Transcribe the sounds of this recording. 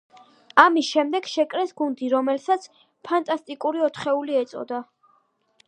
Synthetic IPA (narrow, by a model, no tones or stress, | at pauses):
amisʃɛmd̪ɛɡ̥ʃɛkʼɾɛsɡund̪iɾɔmɛlsat̪sʰ | pʰant̪ʼast̪ʼikʼuɾiɔt̪ʰχɛuliɛt̪sʼɔ̰d̪a